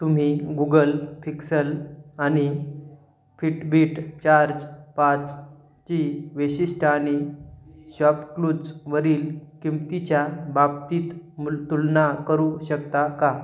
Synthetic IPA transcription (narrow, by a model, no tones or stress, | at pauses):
t̪um̤iɡuɡəlpʰiksəlañi | fʰiʈbʱiʈt͡ɕaɾd͡ʑpat͡s | t͡ɕiʋəɕiʂʈʰəañi | ɕʋapklud͡zʋəɾiːlkimt̪it͡ɕjababt̪iːt̪mut̪ulnakəɾuɕəkt̪aka